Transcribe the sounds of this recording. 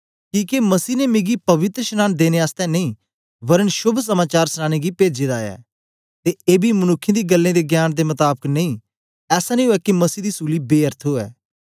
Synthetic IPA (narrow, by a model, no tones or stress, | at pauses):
kiːkemɐsiːnemɪ̃ɡipɐʋɪt̪ɾəʃənaːnd̪eːneaːst̪ɛ̃nɐĩː | bɐɾənʃʊbʱs̬ɐmaːt͡ʃaːɾsnãːñeɡipeːd͡ʒed̪aːɛ̰ː | t̪eeːbʱimɐnʊkʰːẽd̪iːɡəlːẽd̪eɡjaːnd̪emɐt̪aːbəkneĩː | ɛːsanĩoːɛːkimɐsiːd̪iːsuːlibeːəɾt̪ʰoːɛ̰ː